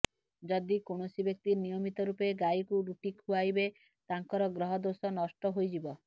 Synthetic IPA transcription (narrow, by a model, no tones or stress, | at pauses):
d͡ʒɔd̪ikoɽ̃osibjɔk̚t̪inijɔmit̪ɔɾupeɡajkuɾuʈikʰuajbe | t̪aŋkɔɾɔɡɾɔɦɔd̪osɔnɔsʈɔɦojd͡ʒibɔ